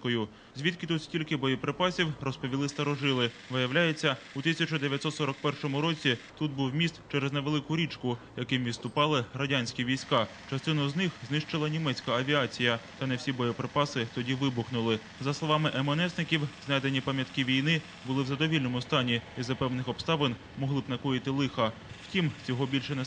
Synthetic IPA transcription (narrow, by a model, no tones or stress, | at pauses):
kɔjʊ | zʲʋʲit̪kɪt̪ut̪sʲtʲilʲkɪbɔjɔpɾepɑsʲiwrɔspɔʋʲilˠɪst̪ɐɾɔʒɪlˠɪ | ʋɪjɐwlʲajet͡sʲːɐut̪ɪsʲɐt͡ʃɔd̪eʋʲjɐt̪ʲsɔt̪sɔɾɔk̚pɛrʃɔmʊɾɔt͡sʲit̪ud̪̚buwmʲist̪t͡ʃɛɾezneʋe̞lˠɪkʊɾʲit͡ʃkʊjɐkɪmʋʲit̪st̪ʊpɑlˠɪrɐdʲanʲsʲkʲiʋʲijsʲkɑ | t͡ʃɐst̪ɪnʊznɪxznɪʃt͡ʃɪlˠɐnʲimɛt͡sʲkɐːʋʲiɑt͡sʲijɐt̪ɐnɛwsʲibɔjɔpɾepɑsɪt̪ɔdʲiʋɪbʊxnʊlˠɪ | zɐslˠɔʋɑmɪʔɛmɔnɛsnɪkʲiwznɑjd̪enʲipɐmʲjɐt̪kɪʋʲijnɪ | bʊlˠɪwzɐd̪ɔʋʲilʲnɔmʊst̪ɑnʲiizɐpɛwnɪxɔpst̪ɑʋen | mɔɦlˠɪbnɐkɔjɪt̪ɪlˠɪxɐ | w̥tʲimt͡sʲɔɦɔbʲilʲʃɛnɛ